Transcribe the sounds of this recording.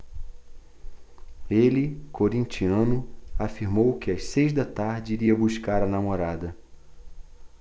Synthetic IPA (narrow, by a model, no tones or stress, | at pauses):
elɪkʰoɾĩnt͡ʃiɐ̃nʊafiɾmowkɪɐssejzd̪ɐt̪aɾd͡ʒɪiɾiɐbuʃkaɾɐnamoɾad̪ɐ